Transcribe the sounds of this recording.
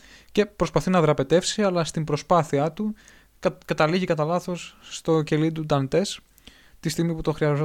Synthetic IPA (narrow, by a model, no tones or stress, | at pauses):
ce̞pɾo̞spɐθinɐðɾɐpe̞t̪e̞fsiɐlɐst̪imbɾo̞spɐθiɐt̪u | kɐt̪ɐliʝikɐt̪ɐlɐθo̞sːt̪o̞ce̞lid̪ud̪ɐnt̪e̞s | t̪ist̪iɣmiput̪o̞xɾiɐzo